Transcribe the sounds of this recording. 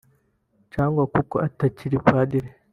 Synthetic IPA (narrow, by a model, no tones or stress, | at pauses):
caːŋɡwakuko̞ʔataciɾipaːdiɾe